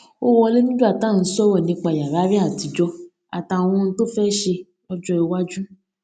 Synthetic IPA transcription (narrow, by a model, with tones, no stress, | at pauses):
o˦wɔ˧le˦nũ˦du˦a˦˨tã˦˨n̩˨˦sɔ˦wɔ˦˨nĩ˧k͡pa˧˨ja˨ɾa˨˦ɾi˦a˦˨ti˨˦d͡ʒɔ˧ | a̰˨tã˨wɔ̃˧n̩˦to˦fɛ˦ʃe˧ | ɔ˧d͡ʒɔ˧e˧wa˦d͡ʒu˦